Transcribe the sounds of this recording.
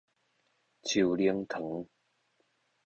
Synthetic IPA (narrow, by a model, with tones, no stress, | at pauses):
t͡ɕʰu˨˩li˧˦əŋt̪ʰə˧˦ŋ